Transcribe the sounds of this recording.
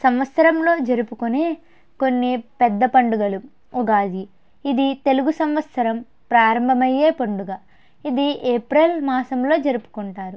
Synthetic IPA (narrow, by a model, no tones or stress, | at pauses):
sɐmʋɐt̪sɐɾɐmlo̞ːd͡ʒɐɾupukune̞ː | konːipɛd̪ːɐpɐɳɖuɡɐlu | oɡaːd͡ʒiː | d̪it̪e̞luɡusɐmʋɐt̪sɐɾɐm | pɾaːɾɐmbʱɐmɐjːe̞ːpɐɳɖuɡa | id̪ieːpɾelmaːsɐmlo̞ːd͡ʒɐɾupu̥kuɳʈaːɾu